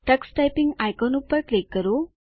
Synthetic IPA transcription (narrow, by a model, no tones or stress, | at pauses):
ʈəksʈajpiŋɡajkɔnupːəɾklekːəɾo